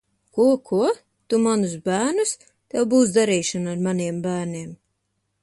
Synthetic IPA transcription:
kuɔkʰuɔ | t̪umanusbæːnus | t̪ɛwbuːs̬d̪aɾiːʃanaɾmaniɛmbæːɾniɛm

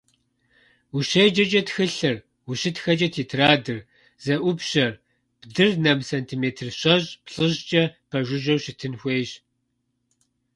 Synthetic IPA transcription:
wuʃejd͡ʒɐt͡ʃʼɐtxɨɬɨr | wuɕɪtxɐt͡ʃʼɐtʰiːtʰraːdɨr | z̥ɐʔʷʊpɕɐr | b̥dɨrnɐmsɐntʰimeːtʰɨrɕɐʑpɬɨʑt͡ʃʼɐpʰɐʒʷʊʒɐwɕɪtʰɨnxʷeːʑ

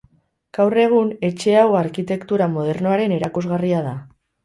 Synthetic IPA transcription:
ɡ̥awre̞ɣ̞une̞t͡ʃe̞awaɾkit̪e̞kt̪uɾamo̞ð̞e̞rno̞aɾe̞ne̞ɾakuzɣariað̞a

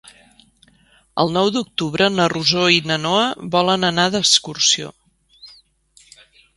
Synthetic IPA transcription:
ə̰lˠnɔwd̪uk̚t̪uβɾənəruzoinənoəβɔlənənaðəskursio̰

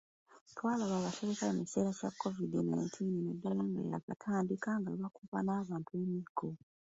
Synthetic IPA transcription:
twaːlaβaːβase̞βekajemise̞ːɾacakːo̞vidina̰jntʰiːnnedalaŋɡa̰ja̰katʰaːndikaŋɡaβakupa̰naːβaːntuemikʰːo

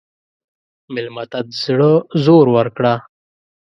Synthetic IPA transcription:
mɪlmat̪at̪z̥ɽəzoːɾwəɾkɽa

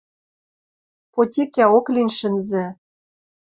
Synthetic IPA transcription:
potʲikʲæoklʲinʲʃɘ̆nzɘ̆

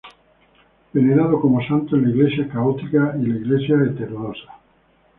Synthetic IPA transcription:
beneɾaðokomosant̪oenlaiɣlesjakaot̪ikailaiɣlesjaet̪eɾunosḁ

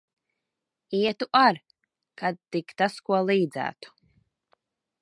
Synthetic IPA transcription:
iɛt̪uʔaɾ | kad̪̚t̪ikt̪askuɔlˠiːd̪zæ̰ːt̪u̥

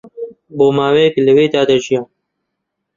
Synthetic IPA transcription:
boːmaːweːklɨweːd̪aːd̪ɐʒijaː

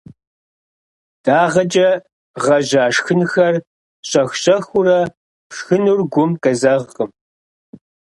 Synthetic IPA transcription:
d̥aːʁɐt͡ʃʼɐ | ʁɐʑaːʂxɨnxɐr | ɕʼɐxɕʼɐxʊrɐ | pʂxɨnurɡʷʊmkʼɐzɐʁqəm

